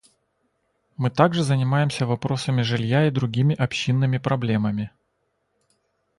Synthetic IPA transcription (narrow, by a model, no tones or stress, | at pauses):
mɨt̪aɡʐɨzənʲɪmajɪmsʲəvɐpɾo̞səmʲɪʐɨlʲjaid̪ɾʊɡʲimʲɪʔɐpɕːinːɨmʲɪpɾɐblʲe̞məmʲɪ